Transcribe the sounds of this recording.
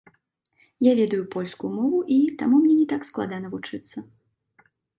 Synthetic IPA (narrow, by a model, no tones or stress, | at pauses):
javʲɛd̪ɐjupɔlʲskujumɔvuʔit̪amumnʲɛnʲɛt̪aksklˠa̰d̪anɐvut͡ʂɨt̪sːɐ